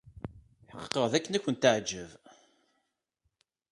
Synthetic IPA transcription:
ħəqqːəʁðækːənækʷːənt̪əʕd͡ʒːəv

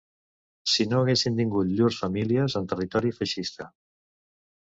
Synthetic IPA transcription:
sinoːɣesint̪iŋɡut̪ʎursfəmiliəzənt̪ərit̪ɔɾifəʃist̪ə

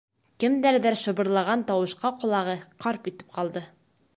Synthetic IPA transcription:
kɘmd̪æɾðæɾʃɤ̆bɤ̆ɾlˠɑʁɑnt̪ɒwɤ̆ʃqɑqŏlˠɑʁɤqɒɾpit̪ɘ̥p̚qɑlˠd̪ɤ

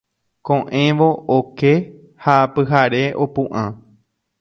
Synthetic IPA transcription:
kõʔẽ̞ʋo̞ːke̞ | hapɨɦaɾe̞ʔo̞pũʔã

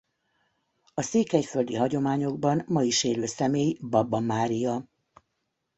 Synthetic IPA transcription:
ɒseːkɛcfø̞ld̪iɦɒɟo̞maːɲo̞ɡ̚bɒnmɒiʃeːløːsɛmeːjbɒbɒmaːɾijɒ

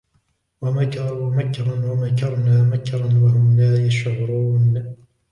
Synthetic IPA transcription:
wamakɾˤwamakɾˤɑnwamakɑɾˤnaːmakɾˤɑnwahʊmlaːjaʃɣɾˤuːn

